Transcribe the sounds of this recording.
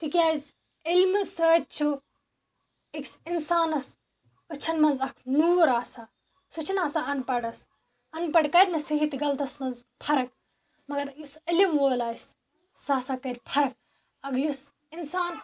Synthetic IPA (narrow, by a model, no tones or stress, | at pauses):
t̪ikʲaːz | ilmɨsəːt̪̚t͡ʃʰu | iksinsaːnɐs | ɐt͡ʃʰɐnmɐnzɐkʰnuːɾaːsa | sut͡ʃʰinaːsaɐnpɐɽɐs | ɐnpɐɖkɐɾʲmɐsɐɦit̪ɡɐlt̪ɐsmɐnzpʰɐɾɐk | mɐɡɐɾjusɐlimʋoːlaːjs | saːsakɐɾʲpʰɐɾɐk̚ | ɐɡjus | insaːn